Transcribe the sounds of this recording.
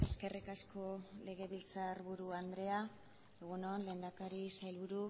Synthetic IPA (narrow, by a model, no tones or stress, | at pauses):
eske̞rikasko̞le̞ɣ̞e̞βilt͡saɾβuɾuand̪ɾe̞a | eɣ̞unonle̞ːnd̪akaɾisajlβuɾu